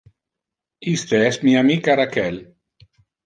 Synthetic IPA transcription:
ist̪eɛsmiamikaɾakɛl

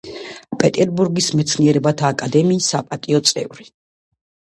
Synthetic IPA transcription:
pʼɛt̪ʼɛɾbuɾɡismɛt̪sʰniɛɾɛbat̪ʰaːkʼad̪ɛmiːsːapʼat̪ʼiɔt̪sʼɛ̰vɾi

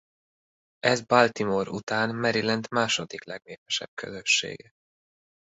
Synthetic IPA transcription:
ɛzbalt̪imoɾṵt̪aːnmɛɾilɛnt̪maːʃod̪iklɛɡneːpɛʃɛ̰b̥̚kʰø̰zøʃːḛːɡɛ

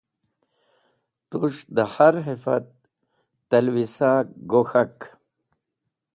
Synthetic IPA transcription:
t̪uʂd̪əhaɾɦifa̰t̪ː | ɐlwisaɡoxak

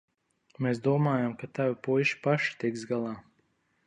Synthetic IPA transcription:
meːsd̪uɔmaːjamkat̪avipujʃi̥paʃi̥t̪ikzɡalˠɑː

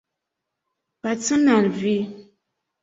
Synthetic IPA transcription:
pat͡sɨnalvi

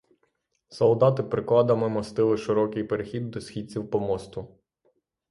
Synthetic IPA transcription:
sɔlˠd̪ɑt̪ɪpɾɪklˠɑd̪ɐmɪmɔst̪ɪlˠɪʃɪɾɔkɪjpeɾexʲid̪ːɔsxʲit͡sʲiwpɔmɔst̪ʊ

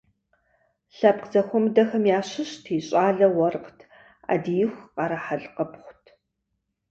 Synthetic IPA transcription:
ɬɐp̚qzɐxʷɔmdɐxɐmjaːɕɪɕtʰiɕʼaːɮɐwɔrqtʰ | a̰ːdijɪxʷqɑɾɐħaɮqəpχʷʊtʰ

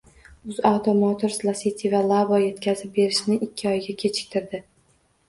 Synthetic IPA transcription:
ʊzawt̪ʰomɒt̪ʰoɾslˠasit̪ʰʲivalˠabɒje̞t̪kʲʰazɪp̚be̞ɾɪʃnɪʔɪkʲːɪɒjɡʲakʲʰe̞t͡ʃʰɪ̥k̚ʲt̪ʰɪɾd̪ɪ

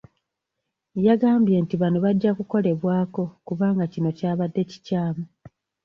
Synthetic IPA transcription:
jaɡaːmbje̞ːntiβanuβaɟːakuko̞le̞βwaːko̞kuβaːŋɡacino̞caːβadːe̞ci̥caːmu

